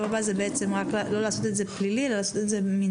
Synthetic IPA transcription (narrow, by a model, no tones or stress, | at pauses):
vabazebeet͡se̞mʁaklalo̞laːso̞t̪etze̞plililalaːso̞t̪e̞tze̞mi